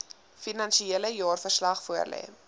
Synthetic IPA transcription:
finɐnʃieləjɑːrfərslɐχfuərlɛ̰ː

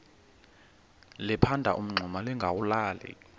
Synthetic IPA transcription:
lɛpʰandʱa̰ʔum̩ŋ͡ǀʱɔmalɛŋɡʱawulaːlɛ̰

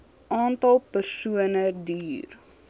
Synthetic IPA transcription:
ʔɑːntɐlˠpərsuənədyːr

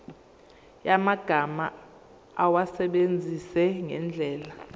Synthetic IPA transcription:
jamaɡ̥ʱama | awasɛɓend͡zʱisɛŋɛ̰nd͡ɮʱɛːla

